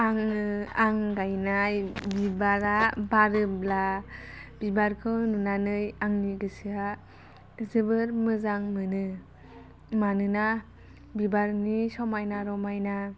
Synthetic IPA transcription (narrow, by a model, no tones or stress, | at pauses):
aŋɯaŋɡajnajbibaɾabaɾɯbla | b̥ibaɾkʰɯnunanɯjaŋniɡɯsɯa | zɯbɯɾmɯzaŋmɯnɯ | manɯna | bibaɾnisɔmajnaɾɔmajna